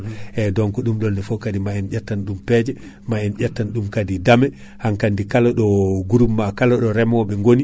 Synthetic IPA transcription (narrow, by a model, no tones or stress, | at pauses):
ʔɛdɔŋkɔɗumɗɔnːɛfɔkadimaɛnd͡ʒatːanɗumpɛd͡ʒɛ | maɛnd͡ʒatːanɗumkadidamɛ | haŋkandikalaɗɔɡuɾumːakalaɗɔɾɛmɔɓɛŋɡoni